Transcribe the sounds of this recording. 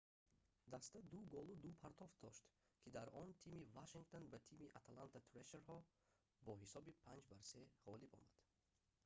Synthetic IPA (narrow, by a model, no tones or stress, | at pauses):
d̪ast̪ad̪uɡɔlud̪upʰaɾt̪ʰɔft̪̚d̪ɔʃt̪kʰid̪aɾɔnt̪ʰimivaʃiŋɡt̪ʰonbat̪ʰimiʔat̪ʰalant̪ʰat̪ʰɾeʃeɾhɔ | bɔɦisɔbipʰand͡ʒbaɾseʁɔlibɔ̰mad̪̥